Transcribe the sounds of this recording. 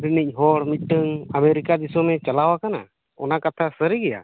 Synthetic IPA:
binic̚ˀɦɔɽmit̪̚ˀʈəŋəmeɾikad̪isɔmɛt͡ʃalawakana̰ | ɔ̰nakat̪ʰasəɾiɡɛja̰

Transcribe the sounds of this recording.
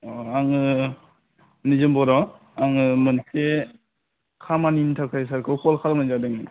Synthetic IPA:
ɔaŋɯ | nizɯmbɔɾɔ | aŋɯmɯnse | kʰamanintʰakʰas̬aɾkʰɯwkʰɔlkʰaɾmanzadɯŋ

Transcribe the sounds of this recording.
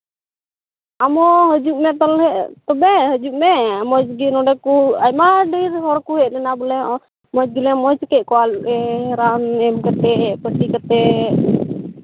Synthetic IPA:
amɔɦəd͡ʒuʔmɛt̪ɔlɦɛʔt̪ɔbɛhəd͡ʒuʔmɛmɔd͡ʒɡinɔɖɛkuajmaɖiɾɦɔɾkuɦɛʔ̚lɛnabɔlɛʔ | mɔd͡ʒɡilɛmɔd͡ʒkɛʔkɔalɛɾanɛmkat̪ɛpəʈikat̪ɛ

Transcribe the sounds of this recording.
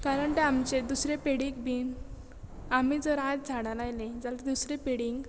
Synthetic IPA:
kaɾəɳt̪eamt͡ɕed̪usɾepeɽik̚biːn | am̤id͡zəɾajt̪̚d͡zʱaɽalajled͡zaled̪usɾepeɽiŋɡ

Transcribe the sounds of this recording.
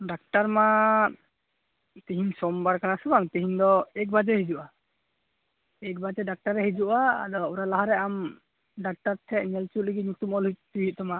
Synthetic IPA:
ɖak̚ʈaɾma | t̪iɦiɲsɔmbaɾkanasubaŋt̪iɦiɲd̪ɔɛk̚bad͡ʒɛhid͡ʒuʔa | ɛk̚bad͡ʒɛɖak̚ʈaɾːɛɦɛd͡ʒuʔa̰ːd̪ɔuɾalaɦaɾɛam | ɖak̚ʈaɾt̪ʰɛʔɲɛlt͡ʃut̚liɡit̪̚ɲut̪umɔlujt̪̚t̪uɦit̪̚ˀt̪ɔma

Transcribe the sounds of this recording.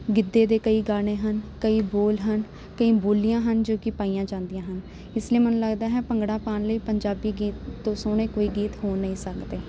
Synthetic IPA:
ɡɪd̪ːeːd̪eːkəiːɡaːɽ̃eːɦənkəiːboːlɦən | kəĩːboːlijãːɦənd͡ʒoːkɪpaːijãːd͡ʒãːnd̪ijãːɦən | ɪsliiːmənũːləɡd̪aːɦɛːpəŋɡɽãːpaːnləiːpəɲd͡ʒaːbiːɡiːt̪ːõːsoːɽ̃eːkoːiːɡiːt̪ɦoːnəĩːsəkd̪eː

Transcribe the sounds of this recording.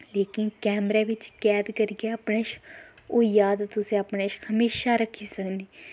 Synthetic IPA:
leːkɪnkɛːmɾɛːʋɪt͡ʃkɛːd̪kəɾɪɡaːəpɳeːʃ | oːjaːd̪t̪ʊsẽːəpɳeːʃhəmeːʃaːɾəkʰiːsəkniː

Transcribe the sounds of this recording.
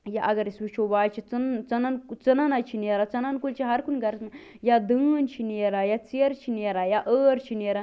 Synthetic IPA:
jaʔɐɡɐɾisʋit͡ʃʰobaːjt͡ʃʰit͡sɨnt͡sɐnankt͡sɐnanat͡ʃʰineɾat͡sɐnankult͡ʃʰiɦɐɾkunɡɐɾt̪nɨ | jad̪ɨːnt͡ʃʰineːɾajat͡seɾt͡ʃʰineɾajaʔəːɾt͡ʃʰineɾa

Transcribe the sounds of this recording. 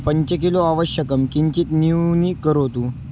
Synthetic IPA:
pəɲt͡ɕək̬iloaʋəɕjəkəmkiɲt͡ɕiːt̪niwniːkəɾot̪u

